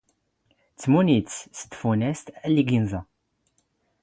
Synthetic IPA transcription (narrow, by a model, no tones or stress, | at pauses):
t͡sːmunit͡sst̪ːfunæst̪ælːiɡinzɑ